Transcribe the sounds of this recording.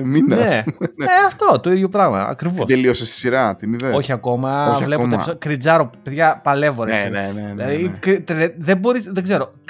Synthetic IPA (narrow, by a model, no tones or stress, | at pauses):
minenneeɐft̪o̞t̪o̞iðʝo̞pɾɐɣmɐ̰ɐ̰kɾivoseliosest̪i̥siɾɐt̪iniðeoçiɐko̞mɐoɐvle̞ueɐsokɾid͡zɐɾopeðʝɐpɐle̞vo̞ɾeseneilɐðikɾt̪ɾeðebo̞ɾisðeɡze̞ɾo̞